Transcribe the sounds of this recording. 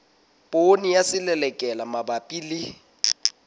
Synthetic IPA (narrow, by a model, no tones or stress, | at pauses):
pʼonijasɪlɛlɛkʼɛlamabapʼilɪ